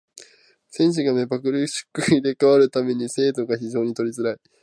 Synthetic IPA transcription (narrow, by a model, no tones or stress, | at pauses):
sẽ̞ɲ̃ɕ̬iɡame̞bakɯ̟ɾɯɕɨ̥kːɯ̟id̪e̞kaβaɾɯ̟t̪ame̞ɲ̟ise̞ːd̪o̞ɡaçiʑo̞ːɲ̟it̪o̞ɾʲizɨɾai